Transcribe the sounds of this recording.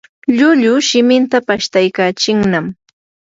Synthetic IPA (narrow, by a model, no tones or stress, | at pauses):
ʎʊʎʊʃɪmɪnt̪apaʃt̪ajkaːt͡ʃɪŋnam